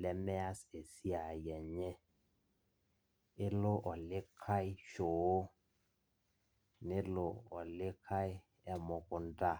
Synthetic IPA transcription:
lɛ˦mɛ˦a˦se˨si˦a˨jɛ˨ɲɛ˦ | ɪ˦lʊ˦ʔɔ˨lɪ˦kʰa˦ɪ˦ʃo˨˦ | nɪ˦lʊ˨ɔ˨lɪ˦kʰa˦ɪ˦ | ɛ˦mʊ˨kʊ˨n˦tʼa˦˨

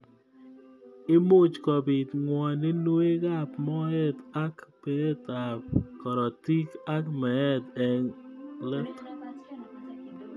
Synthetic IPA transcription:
ɪ˦mo˦t͡ʃkɔ˨bi˨tŋwɔ˨nɪ˦nwe˦ka˦pmɔ˦ɛ˦ta˦kpe˨˦e˦ta˨p̚kɔ˨ɾɔ˨ti˦ka˦kmɛ˨ɛ˦tɛ˨ŋlɛ˦t

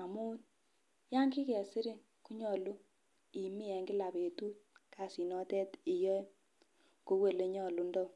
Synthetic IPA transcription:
a˨mu˦n | ja˦ŋki˦kɛ˨sɪ˦ɾɪ˦ŋ | ku˦ɲɔ˨lu˦ | i˨mi˦ɛ˨ŋɡi˦la˨pe˨tu˦t̚ka˨si˨nɔ˦tɛ˦ti˨jɔ˦ | ko˦we˨le˨˦ɲɔ˨lu˨˦ndɔ˦˨

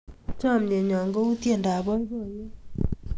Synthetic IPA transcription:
t͡ʃɔ˦˨mɲe˨ɲɔ˨ŋɡo˦u˦tje˨nda˨βɔ˦i˦βo˦˨je˦

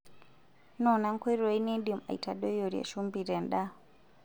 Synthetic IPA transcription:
nɔ˨na˦ŋ˦kwe˦ɾɔ˨i˦ni˦ɗi˨ma̰˨i˨ta˨ɗɔ˦jo˨ɾia̰˨ʃu˦mbi˨ɾɛ˨nɗa˦

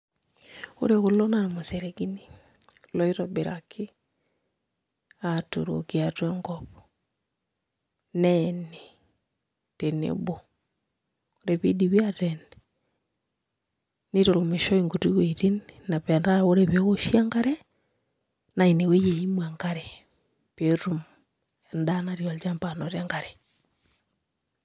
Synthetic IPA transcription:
o̰˦ɾeɣo˨lɔ˦namosɛɾɛɡi˦ni˦ | lɔ˦i˦ɾɔbe˨ɾakʰi˦ | ato̰˨ɾo̰keatwɛŋɡɔβɔ | nɛne | tenḛbɔ | oɾeβi˦diβjatɛn | ne˦ɾo˨ɾo˨me˨ʃɔ˦iŋɡo˨tu˦weiɾi˦nna˨βɛ˨nda˦o˦ɾɛβe˦ɣo˦ʃia˦ŋɡa˦ɾɛ˦ | na˨i˨ne˨we˦je˨i˦mwa˨ŋɡa˦ɾɛ | peɾu˦m | ɛnda˦naɾiɔld͡ʒa˦mpa˨nɔ˨ɾja˦ŋɡa˨ɾɛ

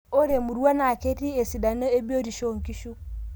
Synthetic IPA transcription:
ɔ˦ɾe˨mu˨ɾu˦a˦na˨ke˦ti˦e˨si˨da˨nɔ˦e˦bi˦o˦ɾi˨ʃo˨ŋ˨ki˦ʃu˦

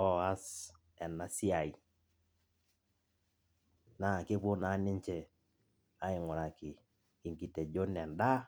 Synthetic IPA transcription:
ɔ˦a˦s | ɛ˨na˦si˦a˨i˨ | na˨kɪ˦po˦na˨˦nɪ˦ɲt͡ʃɛ˨ | a˦ɪ˨ŋʊ˨ɾa˨kɪ˨ | ki˨ŋki˨te˨d͡ʒo˦nɛ˨nda˦

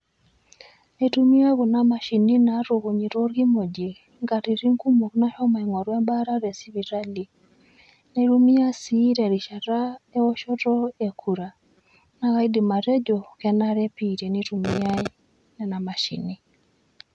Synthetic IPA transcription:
ne˨tu˦mi˦a˦ɣo˨na˦ma˨ʃi˨ni˦na˨ɾo˨ɣo˨ɲi˨ɾo˦ɾɡi˦mo˨d͡ʒe˨ | ŋɡa˨ɾi˨ɾi˦ŋku˦mo˨kna˦hɔ˦ma˨i˨ŋɔ˨ɾwɛ˦mba˦ɾa˦ɾe˨si˦βi˨ɾa˦li˨ | ne˨ɾu˦mi˦a˦si˦ɾɛ˨ɾi˨ʃa˨ɾa˦e˦ɔ˦ʃɔ˦tɔ˦e˨kʰu˨ɾa˨ | na˦ka˦i˦di˨ma˨ɾe˦d͡ʒo˨kɛ˨na˦ɾɛ˦pi˨ɾe˨ni˦ɾu˨mi˦a˦ | nɛ˨na˨ma˨ʃḭ˨ni˨

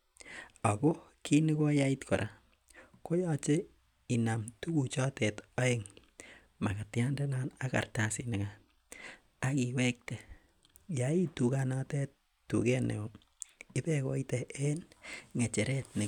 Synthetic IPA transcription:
a˨ko˦kʰi˦ni˦ko˦ja˦i˦tkɔ̰˨ɾʔa̰˨ | ko˦jɔ˦t͡ʃe˦ | i˨na˨mtu˦ku˨t͡ʃɔ˦tɛ˨ta˦e˦ŋ | ma˨ka˨tja˦nde˦na˦na˦ka̰˨rta˨si˨nɪ˨ka | a˦ki˨we˦k̚te˨ | jai˦tu˨kanatɛ˦t | tːṵ˨kɛ˦nḛ˨o | i˦pɛko̰˦itɛ˨ʔe˦nŋe˨t͡ʃe˨ɾe˦tne˨

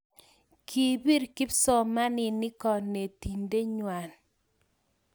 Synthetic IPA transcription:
kʰi˨bi˦ɾkɪ˦psɔ˨ma˦nɪ˨nɪ˦kɔ˨ne˨ti˨nde˦ɲwa˨n

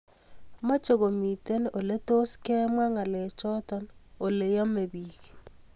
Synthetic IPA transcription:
ma˦t͡ʃo˨ɡo˨mi˨te˦no˨le˦to˦skɛ˦mwa˦ŋa˨le˨t͡ʃɔ˦tɔ˦no˨le˨jɔ˦me˨bi˨k

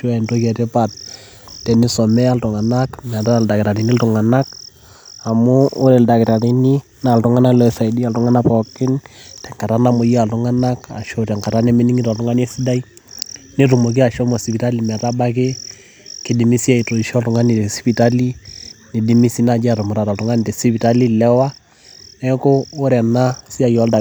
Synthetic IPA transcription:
tu˦a˦ɛ˨ndo˦kɛ˨tɛ˦pa˨t̚ | tɛ˨ni˦sɔ˨mɛ˦a˦ltʊ˨ŋa˨nakmɛ˨ta˦˨lda˨kɪ˨ɾa˨ɾi˨ni˦ltʊ˨ŋa˨na˦k̚ | a˨mʊ̰ː˦ɾɛ˨lda˨kɪ˨ɾa˨ɾi˨ni˦ | na˨ltʊ˨ŋa˦na˦lɔ˦˨sa˨i˨di˦a˨ltʊ˦ŋa˦na˦pɔ˨kɪ˦ntɛ˨ŋka˨ɾa˦na˦mʊ˨ja˨ltʊ˦ŋa˦na˦ka̰˨ʃɔ˦ɾa˨ŋka˨ɾa˦nɛ˦mɪ˦ni˦ŋi˦ta˨ltʊ˦ŋa˦nɛ˦si˦da˦i | ne˦tu˨mo˨k̬i˦a˨ʃɔ˦mɔ˨si˨pi˨ta˦li˨mɛ˨ta˦ba˦kɪ˦ | kɪ˨di˨mi˦si˦a˨i˨to˨i˨ʃɔ˦ltʊ˨ŋa˦ni˨te˨sipi˨ta˦li˦ne˨di˦mi˦si˦na˨d͡ʒa˨ɾʊ˨mʊ˨ɾa˨ta˨ltʊ˦ŋa˦n˨te˨si˦pi˨ta˦li˦lɛ˦wa˦ | nɛ˦koː˦ɾɛ˨na˦si˦a˨jɔ˨˦lda˨

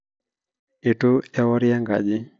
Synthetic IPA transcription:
e˨to˦ɛ˦wɔ˦ɾja˦ŋɡa̰˨d͡ʒɪ˦

